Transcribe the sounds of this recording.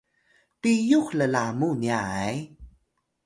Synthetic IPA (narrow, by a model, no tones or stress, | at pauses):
tijukləlamuniaj